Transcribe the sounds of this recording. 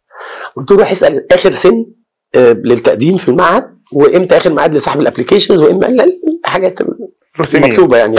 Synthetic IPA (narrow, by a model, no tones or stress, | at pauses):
wet̪uːluħesʔælʔæːxeɾsenː | let̪ːæʔd̪iːmfilmaʕhæd̪̚ | weʔemt̪æʔæːxeɾmaʕaːd̪lesˤɑħbelʔæplikeːʃenzweʔemːæ̰lælħaɡæːt̪ | mɑt̪ˤluːbɑjaʕni